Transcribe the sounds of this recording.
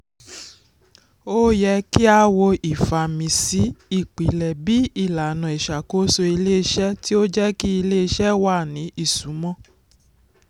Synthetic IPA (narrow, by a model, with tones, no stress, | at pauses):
o˦jɛ˧ki˦a˧˦wo˧i˨fa˨mĩ˨si˨˦i˦˨k͡pi˨lɛ˨bi˨˦i˦˨la˨nɔ̃˨ɛ˨ʃa˨ko˨˦so˧i˧le˦˧ʃɛ˦ti˦o˦d͡ʒɛ˦ki˦i˧le˦˧ʃɛ˦wa˦˨nĩ˨˦i˦˨su˨˦mɔ̃˦